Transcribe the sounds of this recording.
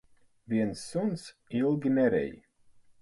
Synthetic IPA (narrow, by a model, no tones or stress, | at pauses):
viɛnsːunsilˠɡʲinɛɾɛ̰j